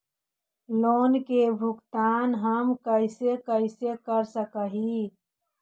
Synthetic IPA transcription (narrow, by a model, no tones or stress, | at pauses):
loːnkebʱʊɡt̪aːnɦəmkəɪsekəɪsekəɾsəkəɦi